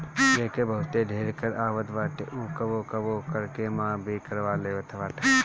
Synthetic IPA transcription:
eːkebɐɦʊt̪eɖʱeːɾkəɾaːʋət̪ʋaːʈḛʔukɐʋoːkɐʋokəɾkemãːbʱikɐɾʋaːleːʋət̪ʰʋaːʈe

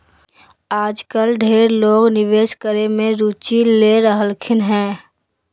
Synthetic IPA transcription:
aːd͡ʒkəlɖʱeːɾloːɡnɪʋeːʃkəɾemẽɾuːt͡ʃileɾəɦəlkʰɪnɦɛ̃ː

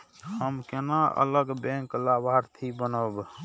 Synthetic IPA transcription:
həmkenaʔə̰ləɡbẽŋklabʱaɾt̪ʰibənəb

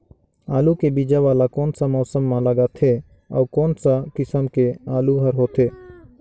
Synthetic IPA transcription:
aːlukebid͡ʒaʋaːlakɔːnsamɔːsəmːãləɡat̪ʰe | ɔ̰ːɾkɔːnsakɪsəmkeaːluɦəɾɦoːt̪ʰeː

